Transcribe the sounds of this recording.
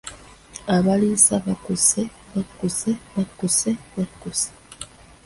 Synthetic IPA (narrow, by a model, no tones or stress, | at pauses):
aβalisaβakuseβakuseβakuseβakuse̥